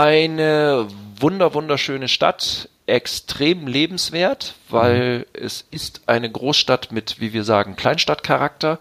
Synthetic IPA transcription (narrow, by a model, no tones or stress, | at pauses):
ʔaɪnəvʊndɐvʊndɐʃøːnəʃta̰tʔɛkstʁ̥eːmleːbm̩sv̥eːɐtvaɪlɛ̰sɪstʔaɪnəɡʁoːsʃtatmɪtv̥iːviːɐza̰ːɡŋ̩kʰl̥aɪnʃtatkʰaʁak̚tɐ